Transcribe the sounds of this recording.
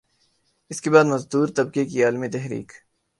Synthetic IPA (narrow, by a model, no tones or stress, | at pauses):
ɪskebaːd̪mɐzd̪uːɾt̪ɐb̚kekiaːlmit̪ɛɦɾḭːk